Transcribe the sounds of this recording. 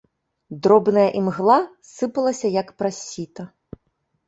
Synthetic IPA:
d̪ɾɔbnɐjɐʔimɣlˠa | sɨpɐlˠɐsʲɐjɐkpɾasʲit̪ɐ

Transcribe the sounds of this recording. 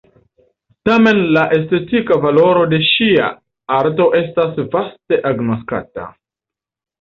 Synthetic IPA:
tame̞nlaʔe̞ste̞tikavalo̞ɾo̞de̞ʃia̰ | aɾto̞ʔe̞stasvaste̞ʔaɡno̞ska̰ta̰

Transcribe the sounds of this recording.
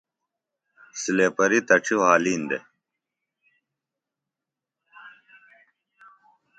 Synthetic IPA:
sileːpɐɾit̪ɐʈ͡ʂʰiwɦaːliːnd̪ḛ

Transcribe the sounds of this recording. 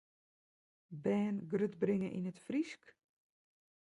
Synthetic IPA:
bɛːnɡrøtbrɪŋəʔḭnətfrisk

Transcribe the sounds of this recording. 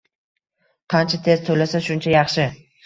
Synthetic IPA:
qʰɑnt͡ʃʰat̪ʰe̞zt̪ʰolasaʃʊnt͡ʃʰajɑχʃɪ

